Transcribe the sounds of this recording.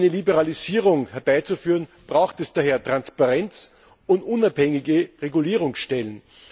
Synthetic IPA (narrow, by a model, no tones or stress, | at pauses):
nəlibəʁaliziːʁʊŋhɛɐbaɪt͡sufyːʁənb̥ʁaʊxtɛsd̥aːɦeːɐtʁ̥anspaʁɛnt͡s | ʊntʔʊnaphɛŋɪɡəʁeɡuliːʁ̞ʊŋsʃtɛlən